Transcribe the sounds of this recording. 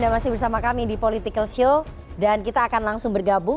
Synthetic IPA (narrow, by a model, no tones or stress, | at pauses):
damasɪhbərsamakamidipolit̪ɪkəlsio | dankit̪aːkanlaŋsʊŋbərɡabʊ